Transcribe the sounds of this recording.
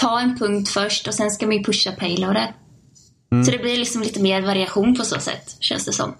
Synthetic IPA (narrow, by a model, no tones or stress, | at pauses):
t̪ʰɑːɛnpʰɵŋkt̪fœʂʈɔsɛnskamanjɵpʰɵʂːapʰɛɪlaːd̪ɛɾ | sɔd̪ɛblɪɾlɪksɔmliːt̪əmeːɾvaɾɪaɧuːnpʰɔso̰ːsɛ̰t̪ːɕɛ̰nsd̪ɛsɔ̰mː